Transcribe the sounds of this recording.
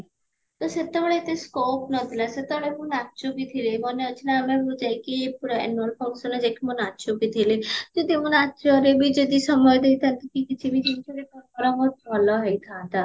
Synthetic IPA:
t̪ɔset̪eɔɭeet̪eskopnɔt̪ʰilaset̪ebɔɭemunatt͡ʃokit̪ʰilebɔneot͡ʃʰinaːmebud͡ʒajkiepuɾɔḛnolpʰɔŋsɔnɔd͡ʒekimunat͡ʃobit̪ʰiled͡ʒod̪imunat͡ʃʰɔɾebid͡ʒod̪isɔmɔjd̪ejt̪ʰant̪ekikit͡ʃʰibit͡ʃimt͡ʃʰɔkekɔɾkɔɾɔmot̪bʱɔlɔɦejt̪ʰãːt̪a

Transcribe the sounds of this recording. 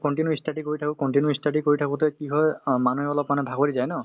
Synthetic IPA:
kɔntinjuistadikoɹitʰakʊkɔntinjuistadikoɹitʰakʊ̃tɛkiɦɔjmanuɦɛɔlɔpmanɛbʱaɡolizajnɔ

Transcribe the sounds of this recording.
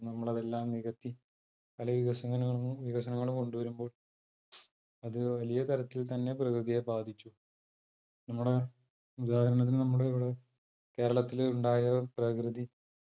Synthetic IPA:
nɐmːuɭɐðe̞lːaːmniɣɐt̪ːi | pɐlɐʋiɣɐsɐŋːɐlːɐɭuʋiɣɐsɐnɐŋːɐɭumko̞ɳɖuʋɐɾumbo̞ːɭ | ɐðɨʋɐlijɐt̪ɐɾɐt̪ːilt̪ɐnːe̞prɐkrɨðijebaːd̪ʱit͡ɕːu | nɐmːuɽe̞ | ud̪aːhɐɾɐɳɐt̪̬ːinnɐmːuɽeʋiɽe | ke̞ːɾɐɭɐt̪ːiluɳɖaːjɐprɐkrɨði

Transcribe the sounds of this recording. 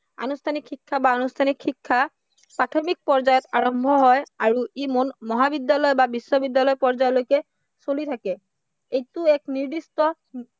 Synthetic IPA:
a̰nustʰanikʰːikʰːabaːnustʰanikʰːikʰːa | pɹatʰɔmik̚pɔɹzajɔtaɹɔmbʱɔɦɔjaɹuimonmɔɦabidjalɔjbabisːɔbidjalɔjpɔɹzajɔlojkɛ | solitʰakɛ | ejtʊɛkniɹdistɔ

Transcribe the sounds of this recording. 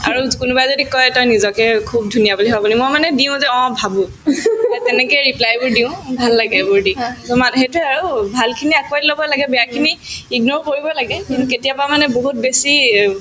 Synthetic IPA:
a̰ɹukunubajzodikɔjtɔjnizɔkɛkʰub̚dʱunijabuliɦabɔnimojmanɛdiʊ̃zɛɔ̃bʱabũ | tɛnɛkɔɹiplajbʊɹdiʊ̃bʱalːaɡɛbʊɹdiɔmanɦejtʊaɹubʱalkʰiniakwadilɔbɔlaɡɛbɛjakʰiniiɡnoɹkoɹibɔlaɡɛkĩntuketijapɔamanɛboɦut̚besi

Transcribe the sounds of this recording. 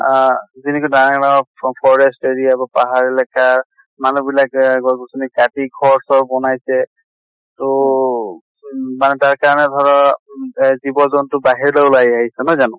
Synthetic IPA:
zinikɔdaɹŋnapʰɔɹɛsteɹijabapaɦaɹelakaɹ | manubilakɡɔɡusɔnikatiɡʱɔɹsɔbɔnajsɛ | tʊ | manɛtaɹkaɹanɛdʱɔɹɔ | zibɔzɔntʊbaɦiɹlɔʊlajaɦisɛnɔjzanɔ̃

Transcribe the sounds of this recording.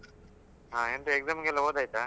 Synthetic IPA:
ɦãːent̪ueɡzamɡɛlːɐɦod̪aːjt̪a

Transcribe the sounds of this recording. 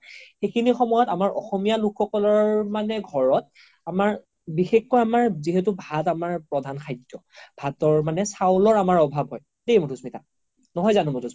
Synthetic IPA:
xekʰinixɔmɔjɔtamaɹʔɔ̰xɔmijalukʰxɔkɔlɔɹmanɛɡʱɔɹɔt̚ | amaɹ | bixekːɔjamaɹziɦet̬ubʱatamaɹpɹɔdʱanxʰajtːɔbʱatɔɹmanɛsawlɔɹamaɹɔbʱabʱɦɔj | dejmutʰusmita | nɔɦɔjzanʊmutʰusi

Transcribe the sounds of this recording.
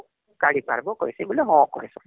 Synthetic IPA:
kaɽipa̰ɾbɔkɔisiɡuleɦɔ̃ɔkɔ̰esɔ

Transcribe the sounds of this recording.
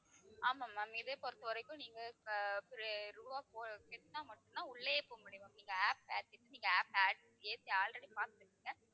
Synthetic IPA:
aːmaːmaːmiːðeːpɔɾɯt̪ːɐʋɐɾɐɪkːʊ̃niːŋɡɐpɪɾɪɐɾuːʋaːpoːkɛtt̪ːãːmɐʈːʊnãːʊɭːepomʊɽɪʋɐ̃niːŋɡɐaːpeːʈːɪʈːɯniːŋɡɐaːpaːʈ | eːt̪ːiaːlɾɐɽipaːt̪ɯɯʈːɯŋɡɐ

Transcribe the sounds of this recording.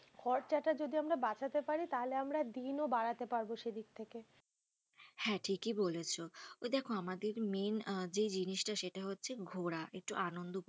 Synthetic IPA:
kʰɔɾt͡ɕaʈad͡ʑod̪iamɾabat͡ɕʰat̪epaɾit̪aɦoleamɾad̪inobaɾat̪epaɾboʃed̪ik̚t̪ʰeke | hɛ̃ʈʰikibolet͡ɕʰoojd̪ɛkʰoamad̪eɾmend͡ʑed͡ʑiniʃʈaʃeʈaɦotːɕʰeɡʱoɾaʔek̚ʈuʔanond̪o

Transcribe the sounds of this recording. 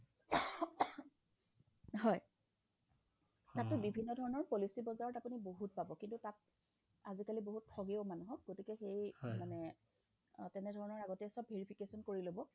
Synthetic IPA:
ɦɔj | tatːʊbibʱinːɔdʱɔɹɔnɔɹpolisibɔzaɹɔtapuniboɦut̚pabɔkintutat̚ | azikaliboɦut̚pʰɔɡeomanuɦɔk̚ɡotikɛxejmanɛ | tɛnɛdʱɔɹɔnɔɹaɡɔtɛsɔbʱeɹipʰikesɔnkoɹilobɔ

